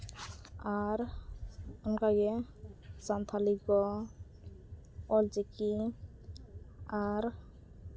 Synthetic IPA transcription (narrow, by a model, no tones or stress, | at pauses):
aɾ | unkaɡɛ | sant̪ʰaliɡɔ | ɔld͡ʒɛki | aɾ